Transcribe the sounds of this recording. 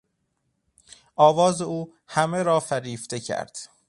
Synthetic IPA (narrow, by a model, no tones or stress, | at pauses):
ʔɒːvɒːzeuː | hæmeɾɒːfæɾiːft̪e̞cʰæ̰ɾd̪̥